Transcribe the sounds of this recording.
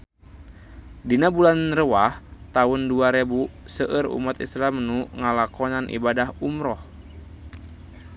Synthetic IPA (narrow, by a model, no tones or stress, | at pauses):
dinabulanrəwaht̪aunduaɾebusəʔəɾṵmat̪ḭslamnuŋalakɔnanʔḭbadaɦumɾɔh